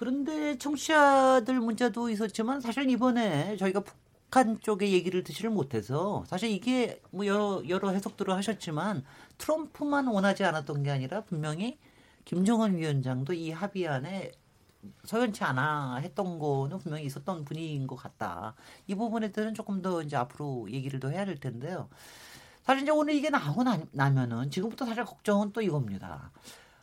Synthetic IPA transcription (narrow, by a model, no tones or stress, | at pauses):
kɯɾʌnde̞t͡ɕʰʌŋɕʰiadɯɭmund͡ʑedois̬͈ʌt̚t͡ɕ͈imansʰaɕʰiɭibʌne̞t͡ɕʌiɡapu̥ | kʰant͡ɕ͈oɡe̞je̞ɡiɾɯɭtɯɕʰiɾɯɭmotʰe̞sʰʌsʰaɕʰiɾiɡe̞mʌjʌɾʌjʌɾʌɦe̞sʰʌk̚t͈ɯɾɯɭhaɕʰʌt̚t͡ɕ͈imantʰɯɾʌmpʰumanwʌnɦad͡ʑianat͈ʌnɡe̞aɲiɾapummjʌŋi | kimd͡ʑʌŋɯnɥiʌnd͡ʑaŋdoiɦabiane̞ | sʰʌjʌnt͡ɕʰianaɦe̞t̚t͈ʌnɡʌnɯnpumjʌŋiːs͈ʌt͈ʌnpuɲinɡʌk͈at̚t͈a̰ibubune̞dɯɾɯnt͡ɕ͈ok͈ɯmdʌind͡ʑe̞apʰɯɾoje̞ɡiɾɯɭdohe̞jade̞ɭtʰe̞nde̞jo | sʰaɕʰiɭiɲd͡ʑeonɯɭiɡe̞naɡonanamjʌnɯnt͡ɕiɡɯmbutʰʌsʰaɕ̬ʰiɭkʌk̚t͡ɕ͈ʌŋɯnt͈oiɡʌmɲida̰